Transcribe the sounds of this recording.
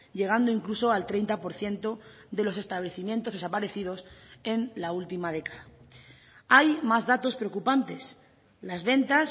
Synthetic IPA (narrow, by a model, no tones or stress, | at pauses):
ʎe̞ɣ̞and̪oiŋkluso̞alt̪ɾe̞jnt̪apo̞ɾθje̞nt̪o̞ | ðe̞lo̞s̬e̞st̪aβle̞θimjent̪o̞zðesapaɾe̞θið̞o̞se̞nlault̪imað̞e̞kḁða | ajmazðat̪o̞spɾeo̞kupant̪e̞s | lazβe̞nt̪as